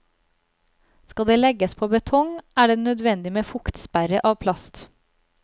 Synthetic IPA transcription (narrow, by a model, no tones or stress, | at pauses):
skɑd̪eːlɛɡəspʰoːbət̪ʰɔŋʔæːɖeːnœd̪ʋɛnd̪ɪmeːfʊkt̪spæɾəʔɑːʋpʰlɑst̪